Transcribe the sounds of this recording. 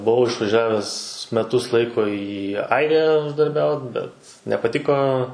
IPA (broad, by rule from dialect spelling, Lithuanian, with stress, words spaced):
ˈbʊʋɐʊ ɪʃʋɐˈʒʲæːʋʲɛs mʲɛˈtʊs ˈlˠɐɪkoː iː ˈɐɪrʲɪjæː ʊʒdɐrʲˈbʲɛʊt bʲɛt nʲɛpɐˈtʲɪkoː